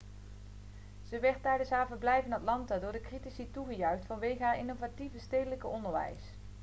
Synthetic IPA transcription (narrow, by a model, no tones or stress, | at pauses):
z̥əʋɛɹtɛjdənsɦaːɹvəɹblɛjvənɑtlɑntadʊːɹdəkritisituχəjœɥxtfɑnʋejχəɦaːɹɪnovativəstejdələkəʔɔndəɹʋɛ̰js